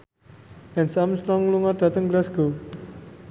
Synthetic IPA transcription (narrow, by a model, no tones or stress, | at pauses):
ɛnsamst̪ɾɔŋluŋard̪̥a̤t̪əŋɡlasɡ̥o